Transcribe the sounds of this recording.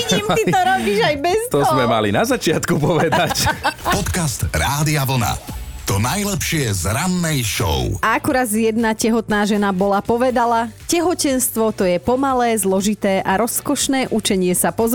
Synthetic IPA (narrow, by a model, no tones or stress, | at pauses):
ɲimitt̪ɔɾɔbiːʒajbɛzt̪ɔzmɛmalinazat͡ʃɪat̪kupɔʋɛd̪acpɔt̪kast̪ɾaːd̪iaʋl̩na̰ | t̪ɔnajlɛpʃɪɛzɾanːɛjʃɔ̰ʊʔaakuɾaːd̪zjɛd̪nacɛɦɔt̪naːʒɛnabɔlapɔʋɛd̪alacɛɦɔcɛnst̪ʋɔt̪ɔjɛpɔmalɛːzlɔʒit̪ɛːʔaɾɔskɔʃnɛːʔut͡ʃɛɲɪɛsapɔz